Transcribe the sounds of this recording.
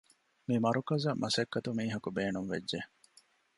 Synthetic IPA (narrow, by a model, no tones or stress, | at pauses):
mimɐɾukɐzɐmʔɐsɐkːɐt̪umiːɦɐkubeːnunʋḛdʒe